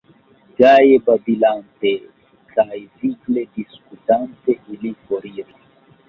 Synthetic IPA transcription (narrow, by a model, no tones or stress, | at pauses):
d͡ʒajebabilante | kajviklediskutanteʔilifoɾiɾa